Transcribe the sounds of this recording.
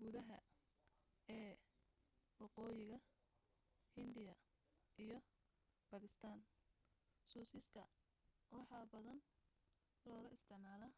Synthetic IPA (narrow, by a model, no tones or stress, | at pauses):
ɡ̥ʊðɐɦɐ̰ | ɛː | wɑqɔːjɪɣɐ | hɪnd̪ɪjɐʔijɞ | bɐɣɪst̪ʰaːn | suːsɪsk̪ʰɐ̰ | wɑħɑːbɐðɐn | lɔːɣɐɪst̪ʰɪʕmaːlɐ